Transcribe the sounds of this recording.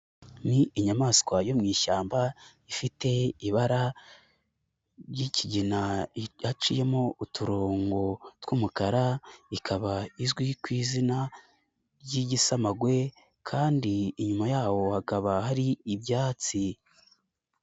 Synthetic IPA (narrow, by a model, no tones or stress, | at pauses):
niiɲamaːskwajomŋiːʃaːmba | ifite̞iβaɾa | ɾjiciɟinahat͡ʃije̞moutʰuɾo̞ːŋɡo̞twuːmukaɾaikʰaβaizɡwikwiːzina | jiɟisamaɡwe̞ | kʰaːndiːɲumajaːwo̞hakaβahaɾiːbjaːt͡si